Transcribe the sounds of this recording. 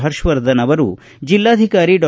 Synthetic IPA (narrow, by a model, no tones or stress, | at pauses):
ɦɐɾʃʋɐɾd̪ʱɐnɐʋɐɾṵ | d͡ʒilːaːd̪ʱikaːɾiɖɔ